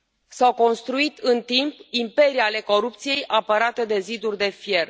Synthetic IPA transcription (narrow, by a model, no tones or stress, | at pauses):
sawko̞nst̪ɾuit̪ɨnt̪impimpe̞ɾiale̞ko̞ɾupt̪sije̞jʔapəɾat̪e̞d̪e̞zid̪urʲd̪e̞fje̞r